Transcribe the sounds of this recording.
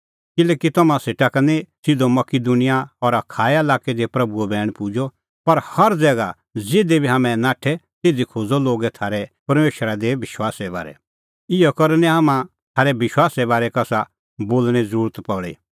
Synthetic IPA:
kɪlɛːkit̪ɐmãseːʈakɐnisɪd̪omɐkid̪unɪjaɔɾɐkʰaːɛɐlaːkɛd̪epɾɐbuɔbɛːɽ̃pud͡ʒɔ | pɐɾhɐɾd͡zɛːɡa | d͡zeːd̪ebʱiɦaːmɛ̃naːʈʰɛt̪eːd͡zikʰoːd͡zɔloːɡɛt̪ʰaːɾɛpɐɾmeːʃɾad̪eʋɪʃwaːsɛba̰ːɾɛ̰ | ɪjɔkɐɾnɛ̃ɦaːmã | t̪ʰaːɾɛbɪʃwaːsɛbaːɾɛkɐsa | boːlñɛzəɾuːɾət̪pɐɽḛ

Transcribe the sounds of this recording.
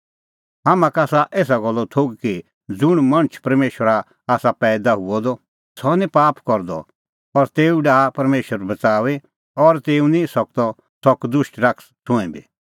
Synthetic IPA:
ɦaːmãkaːsaʔeːs̬aɡɔlːɔt̪ʰoɡki | d͡zʊɽ̃mɐ̃ñt͡ʃʰpɐɾmeːʃwəɾa | aːsapɛːd̪aɦʊɔd̪ɔ | sɔnĩpaːpkɔɾd̪ɔ̰ | ɔɾt̪eːuɖaːpɐɾmeːʃəɾbɐt͡saːʋe | ɔɾt̪eːũnĩsɔk̚t̪ɔ | sɔkd̪ʊʃʈɾak | t̪ʰʊ̃ɛ̃bi

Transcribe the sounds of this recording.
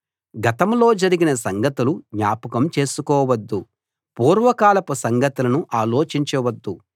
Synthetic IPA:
ɡɐt̪ɐmlo̞ːd͡ʒɐɾiɡinɐsɐŋɡɐt̪uluɲaːpɐkɐmt͡ʃe̞ːsukɔːʋɐd̪ːu | puːɾʋɐkaːlɐpusɐŋɡɐt̪ulɐnuʔaːloːt͡ʃiɲt͡ʃɐʋɐd̪ːu

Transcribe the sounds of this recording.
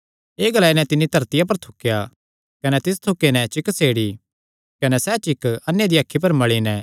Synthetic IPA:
eːɡɐlaːinɛ̃t̪ɪnːit̪ɐɾt̪ɪjap̬ɐɾt̪ʰʊkːeja | kɐnɛt̪ɪs̬t̪ʰʊkːenɛ̃t͡ʃɪkseːɽi | kɐnɛsɛt͡ʃɪkɐnjad̪iakʰːip̬ɐɾmɐɭinɛ̃

